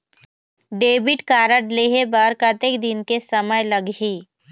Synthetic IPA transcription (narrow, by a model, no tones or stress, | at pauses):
ɖeːbɪʈkaːɾəʈleɦebəɾkət̪ekd̪ɪnkesɐməjləɡɦiː